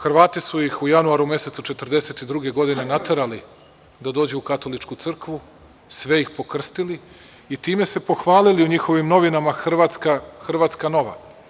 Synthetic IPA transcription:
xr̩ʋaːt̪isujixujanuaɾumje̞se̞t̪sut͡ʃe̞t̪r̩d̪e̞se̞t̪id̪ɾuɡe̞ɡo̞d̪ine̞nat̪e̞ɾali | d̪ad̪o̞ːd͡ʑeukat̪o̞lit͡ʃkut̪sr̩kʋu | sʋe̞jixpo̞kr̩st̪ili | it̪iːme̞se̞po̞xʋaːliliuɲixo̞ʋimno̞ʋinamaxr̩ʋat̪skaxr̩ʋat̪skano̞ʋa̰

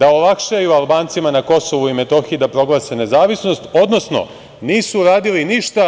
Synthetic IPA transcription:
d̪aolakʃajualˠbaːnt̪simanako̞so̞ʋuime̞t̪o̞xiid̪apɾo̞ɡlˠasene̞zaːʋisno̞st̪o̞d̪no̞sno̞̰ | niːsuɾaːd̪iliniʃt̪a

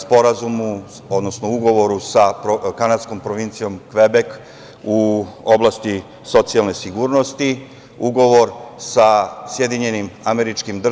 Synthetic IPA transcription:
spo̞ɾazumu | o̞d̪no̞snouɡo̞ʋo̞ɾusapɾokanad̪sko̞mpɾoʋint̪sijo̞mkʋebek | uoblˠast̪i | so̞t̪sialˠne̞siɡuːɾno̞st̪i | uɡo̞ʋo̞ɾsasjed̪iɲe̞nimameɾit͡ʃkimd̪r

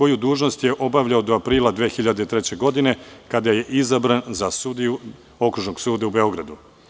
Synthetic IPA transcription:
o̞jud̪uːʒno̞st̪je̞ʔo̞baʋʎaod̪oapɾiːlˠad̪ʋeːxiʎad̪et̪ɾe̞t͡ɕe̞ɡo̞d̪ine̞kad̪aje̞ʔizabɾanzasud̪iju | o̞kɾuʒno̞ɡsuːd̪aube̞o̞ɡɾad̪u

